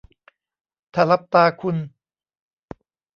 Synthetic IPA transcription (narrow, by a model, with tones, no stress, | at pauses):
t̪ʰa˧˩la˦˥p̚t̪aː˧kʰu˧n